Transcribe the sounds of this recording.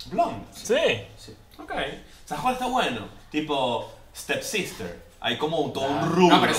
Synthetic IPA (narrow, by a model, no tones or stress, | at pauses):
blɔ̃nsisi | okej | saxwaθawɛnot̪ipo | st̪ɛpsist̪ḛɾ | a̰jkomount̪ounrua